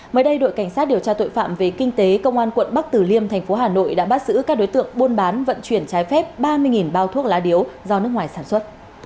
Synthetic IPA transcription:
məː˨˦jɗə˧jɗo̰˧˨jka˧˩jŋ̟saː˦˥t̚ɗi˨˩əwt͡ɕaː˧t̪o̰˧˨jfa̰ː˧˨mve˨˩kï˧ŋ̟t̪e˨˦kə˧wŋ͡mʔaː˧nkwə̰˧˨nɓa˦˥k̚t̪ɨ˨˩li˧əmt̪ʰɛ˨˩jŋ̟fo˨˦ɦaː˨˩no̰˧˨jɗa̰ː˧˥ɓa˦˥t̚z̥ɨ̰˧˥kaː˦˥k̚ɗo˨˦jt̪ɨ̰˧˨əŋɓo˧nɓaː˨˦nvə̰˧˨nt͡ɕwi˧˩ənt͡ɕaː˨˦jfɛ˦˥p̚ɓaː˧mɨ˧əjŋi˨˩nɓaː˧wt̪ʰu˦˥ək̚laː˨˦ɗi˨˦əwzɔ˧nɨ˦˥ək̚ŋwaː˨˩jsaː˧˩nswə˦˥t̚

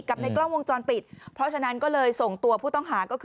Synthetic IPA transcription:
ka˨˩p̚na˧jklɔː˥˩wo˧ŋt͡ɕɔː˧npi˨˩t̪̚pʰɾɔ˦˥t͡ɕʰa˧na˦˥nkɔː˥˩lɤː˧jso˨˩ŋt̪u˧ɐpʰuː˥˩t̪ɔ˥˩ŋɦaː˩˦kɔː˥˩kʰː

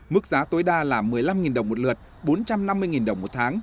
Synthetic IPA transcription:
mɨ˦˥k̚zaː˨˦t̪o˨˦jɗaː˧laː˨˩mːɨ˨˩əjla˧mŋi˨˩nɗə˨˩wŋ͡mmo˨˩t̚lɨ˨˩ət̚ | ɓo˨˦nt͡ɕa˧mna˧mːɨ˧əjŋi˨˩nɗə˨˩wŋ͡mmo˨˩t̚t̪ʰaː˨˦ŋ

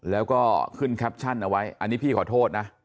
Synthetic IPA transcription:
lɛː˦˥wkɔː˥˩kʰɯ˥˩nkʰɛ˦˥p̚t͡ɕʰa˥˩nʔa˧wa˦˥jʔa˧nːiː˦˥pʰiː˥˩kʰɔː˨˩t̪ʰoː˥˩t̪̚na˦˥ʔ

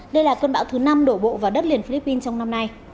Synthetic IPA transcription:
ɗə˧jlaː˨˩kəː˧nɓa̰ː˧˥wt̪ʰɨ˨˦na˧mɗo˧˩ɓo̰˧˨vaː˨˩ɗə˦˥t̚li˨˩ənfi˧li˦˥pːi˧nt͡ɕɔ˧wŋ͡mna˧mna˧j

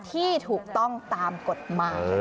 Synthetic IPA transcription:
t̪ʰiː˥˩t̪ʰuː˨˩k̚t̪ɔ˥˩ŋt̪aː˧mko˨˩t̪̚maː˨˩j

